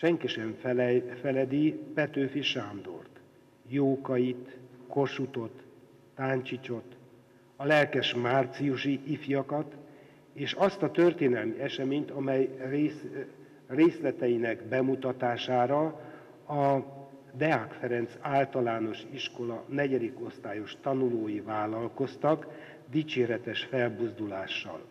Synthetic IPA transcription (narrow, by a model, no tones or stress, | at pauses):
ʃɛŋkiʃɛɱfɛlɛd̪ipɛt̪øːfiʃaːmd̪o̞̰rt̪ | joːkɒjit̪korʃut̪o̞t̪ː | aːɲt͡ʃit͡ʃo̞t̪ | ɒlɛlkɛʃmaːrt̪sijuʃiʔifjɒkɒt̪ | eːʃɒst̪ɒt̪ørt̪eːnɛlmiɛʃɛmeːɲt̪ɒmɛjreːs | reːslɛt̪ɛjinɛɡbɛmut̪ɒt̪aːʃaːɾɒ | ɒ | d̪ɛakfɛɾɛnt̪saːlt̪ɒlaːno̞ʃiʃko̞lɒnɛɟɛd̪iko̞st̪aːjo̞ʃt̪ɒnuloːjivaːlɒlko̞st̪ɒk | d̪it͡ʃeːɾɛt̪ɛʃfɛlbuzd̪ulaːʃːɒ̰l